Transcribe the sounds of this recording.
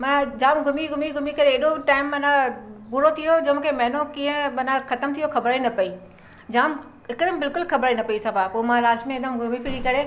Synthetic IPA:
mɐnãd͡ʑaːmɡʱʊmiɡʱʊmiɡʱʊmikɐɾeːɗoʈaːɪmːɐnãpʊɾot̪ʰijod͡ʑɐmũːkʰemɐɦɪnokĩːə̃mɐnãxɐt̪əmt̪ʰijoxɐbɾaːinɐpɐi | d͡ʑaːm | ɦɪkd̪əmbɪlkʊlxɐbɾaːinɐpɐisɐbaːpoːemãlaːsʈmẽɪd̪əmɡʱʊmifɪɽikɐɾe

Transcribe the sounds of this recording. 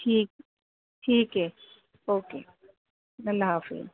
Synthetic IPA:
ʈʰiːk | ʈʰiːkɦɛː | oːkḛː | nɐlːaɦaːfḭ

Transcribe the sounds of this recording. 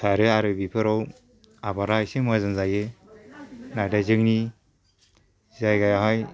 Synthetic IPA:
sʰaɾɯaɾɯbipʰɯɾɔw | abaɾajsemazɯnzaje | nadazɯŋni | zajɡajaɦaj

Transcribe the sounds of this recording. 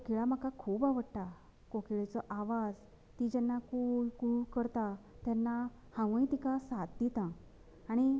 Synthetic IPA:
kokiɭam̤akakʰuːbaʋəɽʈ̪a | kokiɭet͡sɔʔaʋad͡z | t̪id͡ʑɛnːakukukəɾt̪a | t̪janːa | hãʋə̃j̃t̪ikãsat̪̚d̪it̪ãː | ɽ̃i

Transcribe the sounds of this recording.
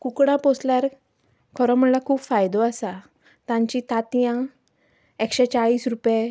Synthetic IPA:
kukɽ̃ãposljaɾ | kʰɔɾɔ̃m̤əɳlakʰuːpfajd̪oasa | t̪ãɲt͡ɕit̪at̪jã | ekɕet͡ɕaɭiːsɾupje

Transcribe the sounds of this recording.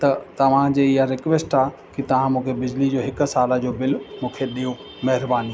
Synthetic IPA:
t̪ɐt̪ɐʋ̤ãd͡ʑeːɪɦaɾɪkʋeːsʈaː | kit̪ɐʋ̤ãmũːkʰebɪd͡ʑlid͡ʑoːɦɪksaːləd͡ʑoːbɪlmũːkʰeɗiːõ | mɐɦɪɾbaːni

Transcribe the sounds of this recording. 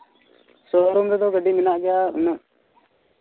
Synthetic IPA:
sɔɾɔmɾɛd̪ɔɡəɖiminaʔɡɛjaṵnəʔ

